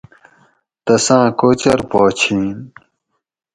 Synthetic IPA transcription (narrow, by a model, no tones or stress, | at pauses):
t̪ɐsãːkoːt͡ɕɐɾpoːt͡ɕʰĩːn